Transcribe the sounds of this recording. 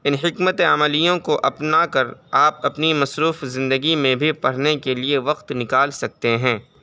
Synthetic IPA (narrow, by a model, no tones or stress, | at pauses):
ɪnɦɪkmət̪eɐməlijõkoʔɐpnakɐɾaːpɐpnimɐsɾuːfzɪ̃nd̪əɡimẽbʱipɐɽ̤nekelieʋɐqt̪nɪkaːlsɐk̚t̪eɦɛ̃ː